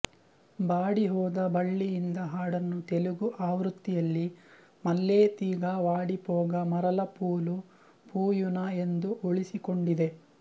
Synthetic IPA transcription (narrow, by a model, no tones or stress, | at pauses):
baːɽiɦɔːd̪ɐbɐɭːijind̪ɐɦaːɽɐnːut̪eluɡuʔaːʋɾut̪ːijɐlːi | mɐlːeːt̪iːɡaʋaːɽipɔːɡɐmɐɾɐlɐpuːlu | pʰuːjunɐe̞nd̪uʔoɭisikoɳɖid̪e̞